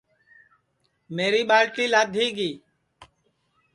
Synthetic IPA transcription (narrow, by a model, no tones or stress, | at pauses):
meːɾiːɓaːɭʈiːlaːd̪ʱiːɡiː